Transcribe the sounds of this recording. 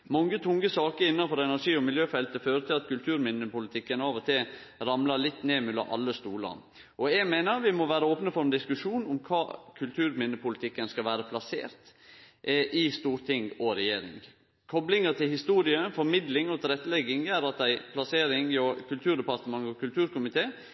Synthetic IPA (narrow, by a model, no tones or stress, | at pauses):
mɔŋːət̪ʰʊŋːəsɑːkəɾɪnːɑfɔɾɛnæʂiːɔmɪljøːfɛlt̪əføːɾət̪ʰɪlɑt̪kʉlt̪ʰʉːɾmɪnːəpʊlɪt̪ʰɪkːənɑːʋət̪ʰɪɾɑmləlɪt̪ːneːmʉlɑ̰ʔɑ̰lːəst̪uːlə̰ɾ | ʔɔjæɡmeːnəɾʋɪmɔʋæːɾəoːpnəfɔɾɛnd̪ɪskʉʂuːnʊmkʰɑːkʰʉlt̪ʰʉːɾmɪnːəpʰʊlɪt̪ʰɪkːənskɑlʋæːɾəpʰlɑsḛːɾt̪ʔʔɪst̪uːɾt̪ʰɪŋɔɾɛjeːɾɪ̰ŋ | kʰɔblɪŋət̪ʰɪlhɪst̪uːɾɪəfɔɾmɪd̪lɪŋɔt̪ʰɪlɾɛt̪ːəlɛɡɪŋæɾɑt̪̚d̪æɪpʰlɑseːɾɪŋɔkʰʉlt̪ʰʉːɾɖ̪ɛpɑɾt̪əmɑŋːɔkʰʉlt̪ʰʉːɾkʊmɪt̪ʰeː